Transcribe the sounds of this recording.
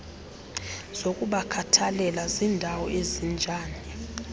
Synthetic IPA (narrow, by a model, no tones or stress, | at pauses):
z̥okʼuɓakʰatʰalɛlazindʱawɔʔezind͡ʒʱaːni